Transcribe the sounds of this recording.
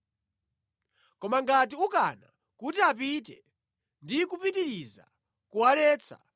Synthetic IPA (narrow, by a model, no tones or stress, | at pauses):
kɔmaŋɡatiukana | kutiapit̬ɛ | ndikupitiɾiza̰ | kualɛːt͡sʰa̰